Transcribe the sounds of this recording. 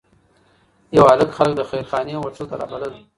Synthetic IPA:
jawaləkxalək̚d̪əxajɾxɑneawaʈ͡ʂot̪aɾɑ̰baləl

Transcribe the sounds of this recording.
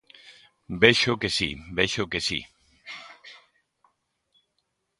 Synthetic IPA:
beʃokesḭbeʃokesḭ

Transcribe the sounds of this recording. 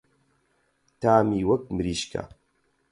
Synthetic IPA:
t̪aːmiːwɐk̚mɨɾiːʃkʰa̰

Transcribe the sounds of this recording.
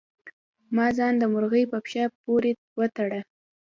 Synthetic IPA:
mɑzɑnd̪əmʊɾɣəjpəpʃapoɾe | wət̪aɽa

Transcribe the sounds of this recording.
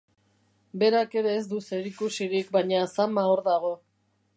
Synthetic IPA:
be̞ɾake̞ɾe̞ːzd̪use̞ɾikusiɾikbajɲasamaoɾðaɣ̞o̞

